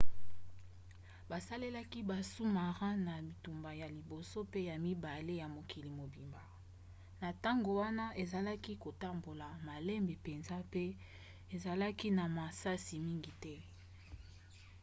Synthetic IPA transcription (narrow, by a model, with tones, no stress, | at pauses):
ba˨sa˦le˦la˦ki˦ba˨su˦ma˨ʁã˦na˨mi˨tu˨mba˨ja˨li˨bo˨so˦pe˦ja˨mi˦ba˨le˦ja˨mo˨ki˨li˨mo˨bi˨mba˨ | na˨ta˦ŋɡo˨wa˦na˦ʔe˨za˨la˦ki˦ko˨ta˦mbo˨la˨ma˨lɛ˦mbe˨pe˨nza˦pe˦ | e˨za˨la˦ki˦na˨ma˨sa˦si˨mi˦ŋɡi˨tɛ˦